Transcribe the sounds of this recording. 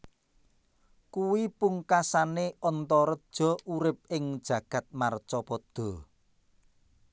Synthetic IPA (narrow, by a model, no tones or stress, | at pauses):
kuwipuŋkasaneɔnt̪ɔɾəd̥ʒ̥ɔ̤uɾɪp̚ɪŋd̥ʒ̥ä̤ɡ̥a̤t̪̚mart͡ʃɔpɔd̪̥ɔ̤